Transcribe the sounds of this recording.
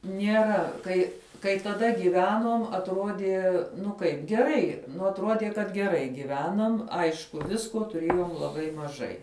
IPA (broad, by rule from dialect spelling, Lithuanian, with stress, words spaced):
nʲiɛˈrɐ ˈkɐɪ kɐɪ tɐˈdɐ ɡʲiːˈʋʲæːnuɔm ɐtˈroːdʲiɛ ˈnʊ ˈkɐɪp ɡʲɛˈrɐɪ ˈnʊ ɐtˈruɔdʲiɛ kɐt ɡʲɛˈrɐɪ ɡʲɪˈʋʲæːnɐm ˈɐɪʃkʊ ˈʋʲɪskoː tʊˈrʲeːjoːm lˠɐˈbɐɪ mɐˈʒɐɪ